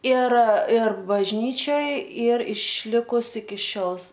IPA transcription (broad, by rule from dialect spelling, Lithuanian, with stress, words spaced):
ɪr ɪr bɐʒʲˈnʲiːt͡ʃʲoːj ˈiːr ɪʃʲˈlʲɪkʊs ɪkʲɪ ˈʃʲoːlˠ